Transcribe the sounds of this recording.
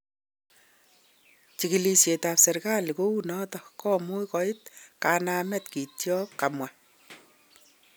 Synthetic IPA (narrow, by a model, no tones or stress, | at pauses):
t͡ʃikilisjetapsɛɾkalikounɔtɔkɔmujkɔɪt̚kanaːmɛtkitjɔpkamwa